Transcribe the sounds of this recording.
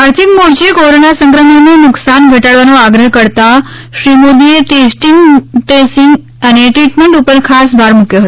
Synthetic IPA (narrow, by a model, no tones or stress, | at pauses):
aɾt̪ʰikmoɾt͡ʃekoɾonasə̃ŋkɾəminenʊksanɡʱəʈaɽʋanoaɡɾəɦkəɾt̪aʃɾimod̪iet̪esʈiŋɡʈesɪŋɡ | əneʈɾiʈmeɳʈupəɾkʰasbʱaɾmukjoɦət̪o